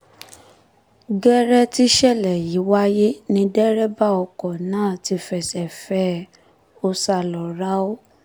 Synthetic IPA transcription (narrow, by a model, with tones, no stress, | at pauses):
ɡɛ˦ɾɛ˦ti˦ʃɛ˦˨lɛ˨ji˨˦wa˦je˦nĩ˧dɛ˦ɾɛ˦ba˦ɔ˧kɔ˨nãː˦˨ti˧fɛ˧˨sɛ˨fɛ˦ | o˧sa˧lɔ˨ɾa˦o˦